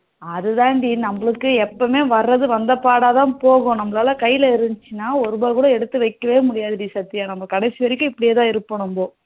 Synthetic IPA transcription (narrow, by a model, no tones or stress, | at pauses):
ɐðɯðãːɳɖinɐmbɐɭɯkːɯɛpːɐmeːʋɐrːɐðɯʋɐnd̪ɐpaːɽaːt̪ãːpoːɣõnɐmːɐlaːlɐkɐjɪlɐɪɾɯnd͡ʒt͡ʃːɯnːaːɔɾɯbɐːɾkuːɽɐɛɽɯt̪ːɯʋɐɪkːɐʋeːmʊɽɪjaːðɯɾiːsɐt̪ːɪjaːnɐmːbɐkɐɽɛɪsɪʋɐɾɪkːɯ̃ɪpːɐɽɪjeːt̪ãːɪɾɯpːɐɳɯmboː